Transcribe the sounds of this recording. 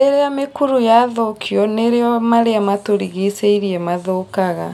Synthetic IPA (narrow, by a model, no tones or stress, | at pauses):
eɾeamekuɾujaðokʰiɔneɾeɔmaɾeamatoɾiɣeseiɾiɛmaðoːkaɣa